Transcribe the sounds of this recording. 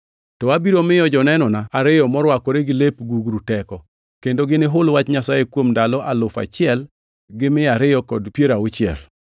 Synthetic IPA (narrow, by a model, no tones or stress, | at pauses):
tɔabiɾomɪjɔd͡ʒɔnɛnɔnaaɾɪjɔmɔɾwakɔɾeɡɪlepɡuɡɾutɛkɔ | kendoɡɪnɪɦʊlwat͡ʃɲasajekwomdalɔʔalʊfa̰t͡ʃɪɛl | ɡɪmɪaɾɪjɔkɔdpjeɾaʊt͡ʃɪɛ̰l